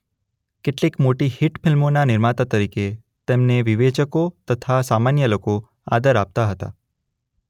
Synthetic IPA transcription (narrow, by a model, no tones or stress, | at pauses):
keʈlikmoʈihiʈfʰɪlmonanɪɾmat̪at̪əɾike | t̪emneʋiʋet͡ʃəkot̪ət̪ʰasamanjəloko | a̰d̪əɾap̚t̪aɦət̪a̰